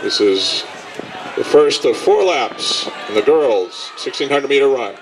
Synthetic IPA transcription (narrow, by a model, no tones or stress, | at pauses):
ðɪsɪz | ðɨ̰fɜ˞stʌv̥fɔɹlæpsɨ̃nðɨɡɜ˞lˠz̥sɪkstĩnhʌ̃ndɹəd̚miɾə˞ɹʌ̃ɪn